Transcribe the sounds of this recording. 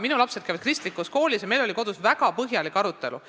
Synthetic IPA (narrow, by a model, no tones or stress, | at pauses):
minulɑpse̞d̪kæjvɑd̪̥̚krist̪likːˑusko̞ːlʲisjɑme̞jlo̞liko̞d̪̥usvæɡ̥ɑpɤɦjɑlikːˑɑɾut̪ːˑe̞̰lṵ